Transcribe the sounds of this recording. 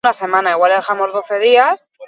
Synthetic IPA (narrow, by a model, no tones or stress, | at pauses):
nase̞manaiɣwaleðexamo̞zð̞o̞θe̞ð̞ias